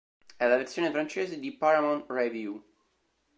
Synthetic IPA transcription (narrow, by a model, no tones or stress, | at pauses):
ɛlːavert̪sːjoːnefɾant͡ʃeːzed̪ipaɾamonrevju